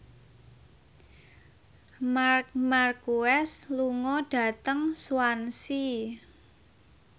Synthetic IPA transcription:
makmarkuɛsluŋɔɖ̥ä̤t̪əŋswansi

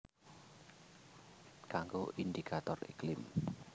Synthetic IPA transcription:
kaŋɡoʔind̪ikʰat̪ɔrḭklɪm

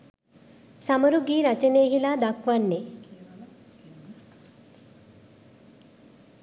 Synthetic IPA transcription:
saməɾuɡiːɾat͡ʃəneːɦilad̪akʋanːe

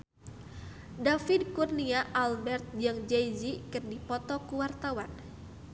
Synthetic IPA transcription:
dafidkurniaʔalbɛrt̪̚d͡ʒaŋd͡ʒɛjd͡ʒikɨrdipɔt̪ɔkuwart̪awan

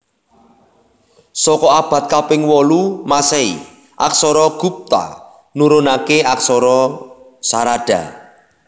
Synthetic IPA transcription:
sɔkɔab̥ä̤t̪̚kapɪŋwɔlumasɛḭ | ʔa̰ksɔɾɔɡ̥ṳp̚t̪a̰ | nuɾonakeaksɔɾɔ | saɾaɖ̥a̤̰

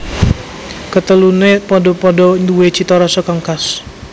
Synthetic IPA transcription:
kət̪əlunepɔdɔpɔdɔnduwet͡ʃit̪ɔɾɔsəkaŋkas

